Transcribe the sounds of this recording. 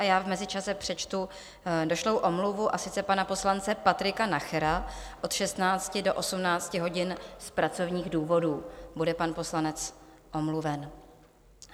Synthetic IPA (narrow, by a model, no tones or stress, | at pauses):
ajaːvmɛzɪt͡ʃasɛpr̝̥ɛt͡ʃt̪u | do̞ʃlowʔo̞mluvuʔasɪt͡sɛpanapo̞slant͡sɛpat̪ɾɪkanaxɛɾaʔo̞t̪ʃɛst̪naːt͡scɪdo̞ʔo̞sumnaːt͡scɪɦo̞ɟɪnspɾat͡so̞vɲiːɣduːvo̞duːbudɛpanpo̞slanɛt͡s | ʔo̞mluvɛn